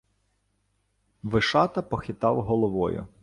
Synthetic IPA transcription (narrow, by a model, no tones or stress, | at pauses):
ʋɪʃɑt̪ɐpɔxʲɪt̪ɑwɦɔlˠɔʋɔ̰jʊ̰